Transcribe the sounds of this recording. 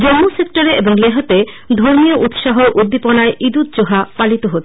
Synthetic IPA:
d͡ʑomːusek̚ʈoɾeʔeboŋleɦot̪e | d̪ʱoɾmijoʔut̪ʃaɦoʔud̪ːiponaeʔid̪ut̪̚d͡ʑoɦapalit̪oɦot̪ʰ

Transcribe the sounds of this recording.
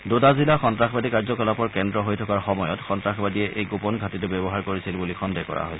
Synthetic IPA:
dodazilaxɔntɹaxbadikaɹzɔkɔlɔpɔɹkɛndɹɔɦojtʰɔkaɹxɔmɔjɔtxɔntɹaxbadijɛʔejɡopɔnɡʱatitʊbɛbɔɦaɹkoɹisilbulixɔndɛkɔ̰ɹa̰ɦojs

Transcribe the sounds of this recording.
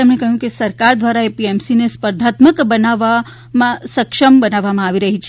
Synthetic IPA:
emnekəɦjũkesəɾkaɾd̪ʋaɾaepiɛmsinespəɾd̪ʱat̪məkbənaʋa | mãsəkʃəmbənaʋːamãaʋiɾəɦit͡ʃʰ

